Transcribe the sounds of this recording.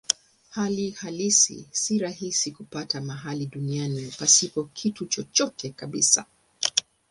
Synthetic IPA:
halihalisḭsiɾaɦisikupatamaɦaliɗunianipasipɔkʰitut͡ʃɔt͡ʃɔtʰɛkaɓisa̰

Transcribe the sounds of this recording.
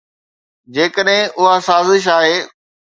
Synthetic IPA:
d͡ʑeːkəɗɦɪ̃ʔʊɦasaːzɪʃ̬aːɦeː

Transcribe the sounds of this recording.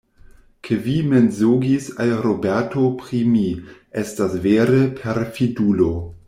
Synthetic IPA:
kʰevimenzoɡisalɾobeɾtʰopɾimiʔestasveɾepʰeɾfidulo

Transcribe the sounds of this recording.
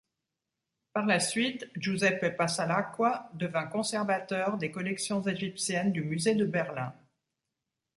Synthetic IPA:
paʁlasɥit̪ʒozɛpepasalakwad̪əvɛ̃kɔ̃sɛʁvat̪œʁd̪ekɔlɛksjɔ̃zeʒipsjɛnd̪ymyzed̪əbɛʁlɛ̃

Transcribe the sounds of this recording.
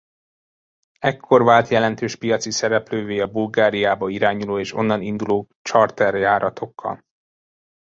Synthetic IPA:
ɛkʰːo̞rvaːlt̪jɛlɛnt̪øːʃpijɒt̪sisɛɾɛpløːveːɒbulɡaːɾijaːbɒiɾaːɲuloːeːʃo̞̰nːɒnind̪uloː | t͡ʃɒrt̪ɛrjaːɾɒt̪ʰo̞kʰːɒ̰l

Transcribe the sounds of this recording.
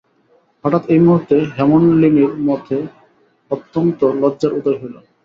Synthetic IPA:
faʈat̪ejmuɦuɾt̪ːeɦɛmonlineɾmɔt̪ʰe | ot̪ːont̪olɔdːaɾut̪oɾɦelo

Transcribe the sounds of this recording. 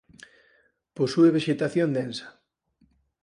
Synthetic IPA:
posueβ̞eʃet̪aθjond̪ensḁ

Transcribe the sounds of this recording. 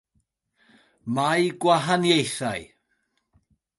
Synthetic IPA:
majɡwaɦanjejθa̰j

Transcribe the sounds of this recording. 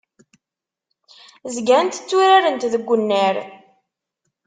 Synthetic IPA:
zɡænt̪ə̥t͡sːuɾaɾənt̪ðəɡʷːənːəɾ

